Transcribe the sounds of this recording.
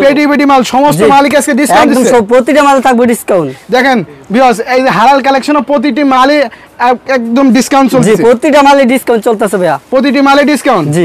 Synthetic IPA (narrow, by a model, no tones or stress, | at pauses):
peɖibeɖimalʃɔmost̪omalik̬easkeɖiskkaw̃nʈd̪imʰeopɾot̪iʈamalet̪ʰak̚boɖiskawnʈd̪ɛkʰenbʱikɔsejeɦaɾalkalekʃonopɾot̪̬iʈ̬imale | ɛkd̪omɖiskawɳʈt͡ɕoltd͡ʑeiepɾot̪iʈamaleɖiskaw̃ɳʈ̚t͡ɕolt̪easʰebeapɾot̪̬iʈ̬imaleɖiskawnʈd͡ʑi